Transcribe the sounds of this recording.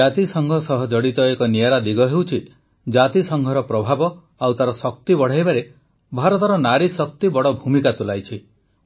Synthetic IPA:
at̪isɔŋɡʱɔsɔɦɔd͡ʒɔɽit̪ɔekɔnijaɾad̪iɡɔɦewt͡ʃʰi | d͡ʒat̪isɔŋɡʱɔɾɔpɾɔbʱabɔ | awt̪aɾɔsɔk̚t̪ibɔɽ̤ajbaɾe | bʱaɾɔt̪ɔɾɔnaɾisɔk̚t̪ibɔɽɔbʱumikat̪ulajt͡ʃʰi

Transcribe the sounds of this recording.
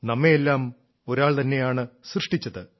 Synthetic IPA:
nɐmːeelːaːm | o̞ɾaːɭt̪ɐnːe̞jaːɳɨsrɨʂʈit͡ɕːɐðɨ

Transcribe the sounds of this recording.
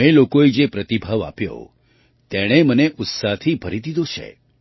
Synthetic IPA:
elokoed͡ʒepɾət̪ibʱaʋa̰pjo̰ | t̪ɛɽ̃eməneʔʊt̪saɦt̪ʰibʱəɾid̪id̪ot͡ʃʰḛ

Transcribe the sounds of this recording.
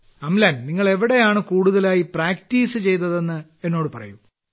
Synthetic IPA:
ɐmlaːnniŋːɐɭe̞ʋiɽe̞jaːɳɨkuːɽuðɐlaːjipraːktiːsɨt͡ɕe̞jt̪ɐðe̞nːɨ | e̞nːo̞ːɽɨpɐrɐ̰ju

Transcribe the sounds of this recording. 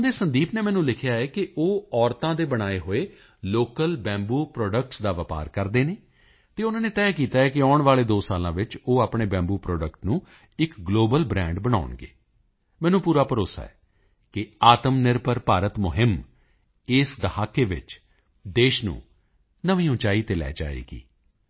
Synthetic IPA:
d̪eːsənd̪iːpneːmɛːnũːlɪkʰjaːɛːkɪʔoːɔːɾt̪ãːd̪eːbəɽ̃aːeːɦoːeː | loːkəlbɛ̃ːmbuːpɾɔːɖək̚ʈsd̪aːʋəpa̰ːɾkəɾd̪eːneː | t̪eːʊnãːneːt̪ɛːkiːt̪aːɛːkɪɔːʊɳʋaːleːd̪oːsaːlãːʋɪt͡ʃoːaːpɳeːbɛ̃ːmbuːpɾɔːɖəkʈnũː | ɪkɡloːbəlbɾɛ̃ːɳɖbəɽ̃aːʊɳɡḛː | mɛ̃ːnũːpuːɾaːpəɾoːsa̰ːɛ̰ː | kɪaːt̪əmnɪɾpəɾpaːɾət̪mʊɦɪm | ɪsd̪əhaːkeːʋɪ̰t͡ʃ | d̪eːʃnṵ̃ː | nəʋĩːʊ̃t͡ʃaːiːt̪elɛ̰ːd͡ʒa̰ːḛːɡḭː

